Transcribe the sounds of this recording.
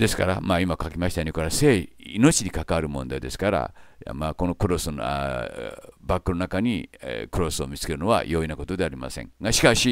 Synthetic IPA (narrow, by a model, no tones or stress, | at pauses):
d̪e̞sɨ̥ka̰ɾa̰maːimakakʲimaɕi̥t̪aɲʲikoɾaseːino̞t͡ɕiɲ̟ikakaaɾɯ̟mõ̞nd̪ad̪e̞sɨ̥kaɾa̰maːko̞no̞kɯ̟ɾo̞sɨn̰ | bakːɯnonakaɲ̟ikɯɾo̞so̞mʲit͡sɨ̥ke̞ɾɯ̟no̞βa̰jo̞inako̞t̪o̞d̪e̞aɾʲima̰sẽŋɡaɕi̥kaɕi